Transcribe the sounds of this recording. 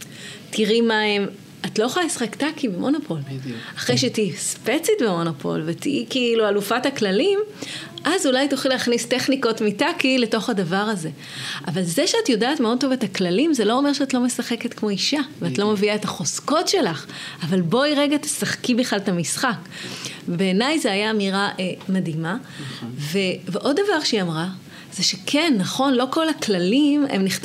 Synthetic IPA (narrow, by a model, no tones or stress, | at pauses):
tʰiʁimaem | atlojoχalisχektakibemo̞napʰo̞laχʁejʃetiispet͡sitbemo̞napʰo̞̰lvetḭikiːlualufataklalimʔazulajtoχileaχnisteχniko̞tmitakile̞to̞χhadavaʁaze̞ | avalzeʃeatjo̞daːtmeo̞d̚tovetaklalimzelo̞ome̞ʁʃeatlo̞me̞saχe̞ke̞tkmo̞iʃaveatlo̞meviaetaχo̞sko̞tʃe̞laχ | avalbo̞iʁeɡat̪e̥saχkibiχlaltamisχak | ebe̞ːnajzeajaːmiʁaʔemadima | veveʔo̞ddavaʁʃeiamʁa | z̥eʃekʰenːaχo̞nlo̞ko̞laklalimḛmniχt